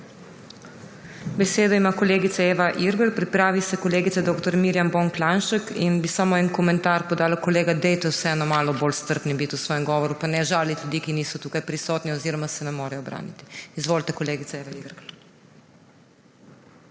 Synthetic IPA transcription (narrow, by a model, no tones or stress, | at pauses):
bɛseːd̪ɔimakɔleːɡit̪saeːʋaʔiɾɡəɾpɾipɾaːʋisɛkɔleːɡit̪sɛd̪oːkt̪ɔɾmiːɾjamboŋklanʃəkinbisamoɛnkɔmɛnt̪aɾpɔd̪aːlakɔleːɡad̪ɛjt̪ɛwsɛɛnɔmaːlɔboːlst̪əɾt̪nibit̪usʋɔːjɛmɡɔːʋɔɾupanɛʒaːlit̪lʲud̪iːkiniːsɔt̪uːkajpɾisɔːt̪niɔziːɾɔmasɛnɛmoːɾɛjɔbɾʔa̰ːnḭt̪i̥izʋoːlt̪ɛkɔleːɡit̪saeːʋaiɾɡɾ